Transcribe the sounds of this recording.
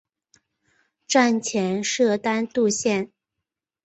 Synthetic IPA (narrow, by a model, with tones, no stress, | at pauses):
ʈ͡ʂa˥˩nt͡ɕʰjɛ˧˥nʂɤ˥˩t̪a˥nt̪u˥˧ɕjɛ˥˩n